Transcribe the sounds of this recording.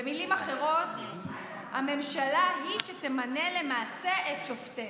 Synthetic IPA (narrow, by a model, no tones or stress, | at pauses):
emilimaχe̞ʁo̞t̪ | hame̞mʃalaɦiʃete̞mane̞le̞maːse̞ʔett͡ʃofte